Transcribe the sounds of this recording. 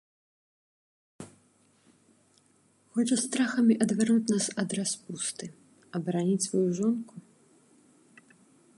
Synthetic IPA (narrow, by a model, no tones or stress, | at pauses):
xɔt͡ʂɐst̪ɾaxɐmʲiʔɐd̪vʲɛrnut͡sʲnasɐd̪raspust̪ɨ | ɐbɐɾanʲit͡sʲsvɔjuʐɔnku